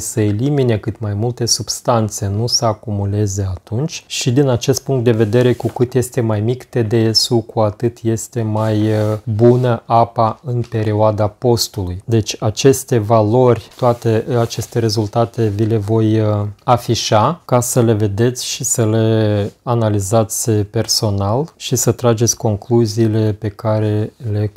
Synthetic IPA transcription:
səelimine̞kɨt̪majmult̪e̞sub̥st̪ant̪se̞nusəakumule̞ze̞at̪unt͡ʃʲʃid̪inat͡ʃe̞st̪̚puŋkt̪̚d̪e̞ve̞d̪e̞ɾe̞kukɨt̪je̞st̪e̞majmikt̪e̞d̪e̞esukʰuat̪ɨt̪je̞st̪e̞majbunəʔapaɨnpe̞ɾioad̪apo̞st̪ulujd̪e̞t͡ʃʲat͡ʃe̞st̪e̞valo̞rʲt̪oat̪e̞at͡ʃe̞st̪e̞ɾe̞zult̪at̪e̞vile̞vo̞jafiʃakasəle̞ve̞d̪e̞t̪sʲʃisəle̞analizat̪sʲpe̞rso̞nalʃisət̪ɾad͡ʒe̞t̪sʲko̞ŋkluziːle̞pe̞kaɾe̞le̞

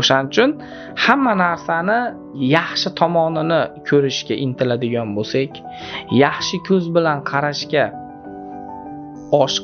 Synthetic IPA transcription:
oʃanɪt͡ʃʰʊn | hamːanaɾsanɪ | jɑχʃɪt̪ʰɒmɒnɪnɪkʲʰɵɾɪʃkʲaʔɪnt̪ʰɪlad̪ɪɡʲɒnbosekʲ | jɑχʃɪkʲʰɵzbɪlanqʰɑɾaʃkʲa | ɒʃ

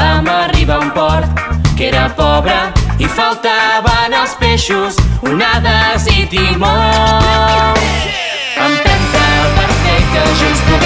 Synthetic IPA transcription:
əməriβaumpɔɾt̪keɾəpɔβɾəifalˠt̪aβənəlˠspeʃusunaðəzit̪imɔ | əmt̪ɛnt̪əlˠpəɾfɛk̚t̪əʒust̪u

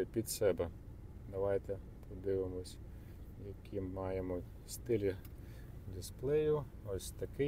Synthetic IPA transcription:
pʲid̪sɛbɛd̪ɐʋɑjt̪ɛ | pʰɔd̪ɪʋɪmɔsʲ | jɐkʲʰimːɑjemɔ | st̪ɪlʲi | d̪ʲɪsplˠɛjʊ | ɔsʲt̪ɐkɪ

